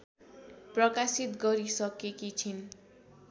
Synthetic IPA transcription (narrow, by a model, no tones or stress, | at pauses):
prʌkasit̪ɡʌɾisʌkekit͡sʰin